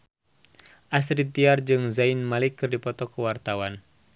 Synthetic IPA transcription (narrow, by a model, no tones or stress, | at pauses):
ʔas̬ɾit̪iard͡ʒɨŋzajinmalikːɨrdipɔt̪ɔkəwart̪awan